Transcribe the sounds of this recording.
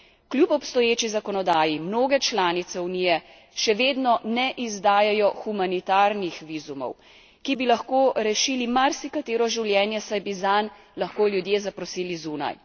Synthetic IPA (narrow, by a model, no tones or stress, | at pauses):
kljupɔpst̪ɔjeːt͡ʃizakɔnɔd̪aːjimnoːɡɛt͡ʃlaːnit̪sɛuniːjɛ | ʃɛʋeːd̪nɔnɛʔizd̪aːjajɔxumanit̪aːɾnixʋiːzumɔ̰w | kibilaxkoːɾɛʃiːlimaɾsikat̪eːɾɔʒiwljɛːnjɛsajbizan | lɐxkoːljud̪jeːzapɾɔsiːlizuːna̰j